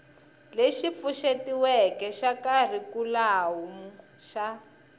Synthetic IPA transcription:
leʃip̪fuʃetiwɛkɛʃakar̤ikulawumu | ʃa

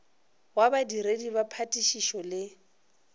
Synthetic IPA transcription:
wabadiɾedibapʰatʼiʃiʃɔlɪ

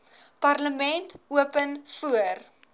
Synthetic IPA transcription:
pɐrləmɛntuəpənfuər

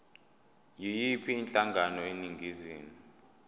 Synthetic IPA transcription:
jijipʰiːnt͡ɬʼaŋɡʱanɔeniŋɡʱiziːni

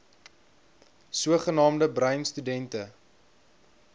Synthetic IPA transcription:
suəχənɑːmdəbrɐɥnstydɛntə

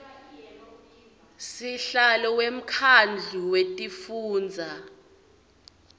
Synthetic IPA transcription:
siɬalɔwem̩kʰand͡ɮʱuwetʼifuːnd͡zʱa

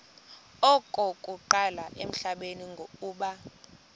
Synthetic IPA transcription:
ɔkʼɔkʼuǃalaʔem̩ɬaɓeniŋɡʱouːɓa

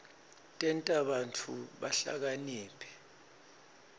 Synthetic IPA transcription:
tʼɛntʼaɓant͡fʰuɓaɬa̰k̬aniːpʰɛ̥

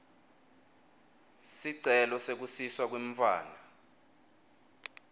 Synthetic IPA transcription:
siǀɛlɔsek̬usiswak̬weɱfa̰ːna

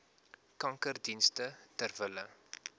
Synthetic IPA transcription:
kɐŋkərdinstətərvələ

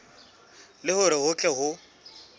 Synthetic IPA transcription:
lɪhʊɾɪɦʊt͡ɬʼɛɦʊ

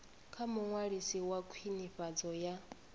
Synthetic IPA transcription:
kʰamuŋwaɺisiwakʰwiniɸad͡zɔja

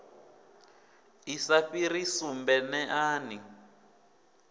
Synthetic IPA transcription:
isaɸiɾisumbɛnɛʔaːni

